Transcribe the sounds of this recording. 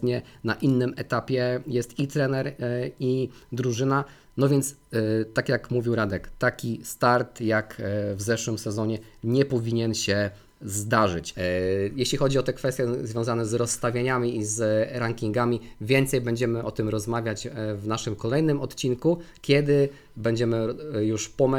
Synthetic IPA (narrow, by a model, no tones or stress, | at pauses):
ɲɛnaʔinːɘmɛt̪apʲjɛjɛst̪it̪ɾɛnɛɾid̪ɾuʐɘna | nɔvʲjɛnt̪st̪akjakmuvʲiwɾad̪ɛkt̪akʲist̪aɾt̪jakvzɛʂwɘmsɛzɔɲɛɲɛpɔvʲiɲɛnɕɛ | zd̪aʐɘt͡ɕjɛɕlʲixɔd͡ʑiɔt̪ɛkfɛst̪ʲjɛzvʲjɔ̃w̃zanɛzɾɔsːt̪avʲjaɲamʲiizɾaŋkʲiŋɡamʲivʲjɛnt̪sɛjbɛɲd͡ʑɛmɘʔɔt̪ɘmɾɔzmavʲjat͡ɕvnaʂɘmkɔlɛjnɘmɔt̪t͡ɕinkukʲjɛd̪ɘ | bɛɲd͡ʑɛmɘjuʂpɔmɛ